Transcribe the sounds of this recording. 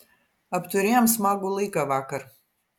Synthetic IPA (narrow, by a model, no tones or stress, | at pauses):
apt̪uɾijamsmaɡulˠikavakaɾ